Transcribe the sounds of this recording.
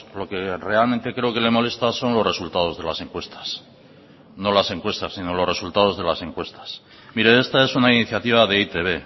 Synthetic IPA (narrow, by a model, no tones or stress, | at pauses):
lo̞ke̞re̞alment̪e̞kɾe̞oke̞le̞mo̞le̞st̪aso̞nlo̞zre̞sult̪að̞o̞zð̞e̞lase̞ŋkwe̞st̪ḁs | nolase̞ŋkwe̞st̪asːino̞lo̞re̞sult̪að̞o̞zðe̞lasẽ̞ŋkwe̞st̪ḁs | miɾee̞st̪ae̞sunainiθjat̪iβ̞aðe̞it̪e̞βe̞